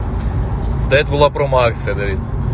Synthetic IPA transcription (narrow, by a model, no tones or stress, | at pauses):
d̪ɛt̪̚bʊlˠapɾɔmakt̪sʲɨjɐd̪ɐʋʲit̪